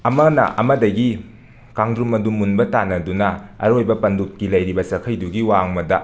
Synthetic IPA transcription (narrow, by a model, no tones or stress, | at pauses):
ɐmɐnɐ̰ʔɐ̰mɐdɐɡi | kaŋdɾumɐdumːunbɐtanɐdunɐɐ̰ɾojbɐpɐndut̚kilɐjɾibɐsɐkʰɐjduɡiwaŋmɐdɐ